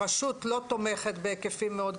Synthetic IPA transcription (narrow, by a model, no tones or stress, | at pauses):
aʃut̪lo̞t̪o̞me̞χet̪beːkefimːeo̞d̪